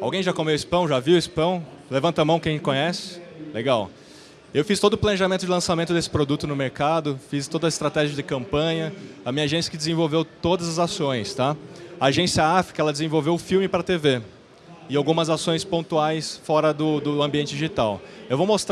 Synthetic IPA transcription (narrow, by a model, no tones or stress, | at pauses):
a̰wɡẽj̃ʒakomewispɐ̃w̃ʒaviwispɐ̃w̃ | levɐ̃nt̪ɐmɐ̃w̃kẽkõɲɛsɪ̥leɡaw | ewfist̪od̪ʊplɐ̃neʒamẽt̪ʊd͡ʒɪlɐ̃samẽnt̪ʊd̪esɪ̥pɾod̪ut̪ʊnʊmeɾkad̪ʊfist̪od̪ɐɪst̪ɾat̪ɛʒiɐd͡ʒɪkɐ̃mpɐ̃ɲɐɐmĩɲɐaʒẽsijɐkɪd͡ʒɪzẽvowvewt̪od̪ɐzɐzasõj̃st̪aɐaʒẽsiɐafi̥kɐɛlɐd͡ʒɪzẽvowvewʊfiwmɪpɾɐt̪eve | ɪawɡũmɐzasõj̃spõnt̪uajsfɔɾɐd̪ʊd̪ʊɐ̃mbiẽnt͡ʃɪd͡ʒiʒit̪awewvowmost̪ɾ